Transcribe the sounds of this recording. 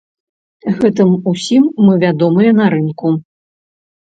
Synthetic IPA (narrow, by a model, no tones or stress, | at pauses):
ɣɛt̪ɨmusʲimːɨvʲad̪ɔmɨjɛnɐɾɨnku